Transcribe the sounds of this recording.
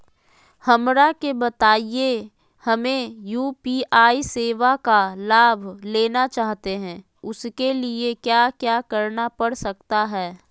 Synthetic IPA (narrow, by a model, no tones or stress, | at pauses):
hɐmɾakebɐt̪aːije | hɐmẽjuːpiːʔaːiseːʋakalaːbʱleːnat͡ʃaːɦt̪eɦɛ̃ː | ʊskeliekjaːkjaːkɐɾnapɐɽsɐk̚t̪aɦɛː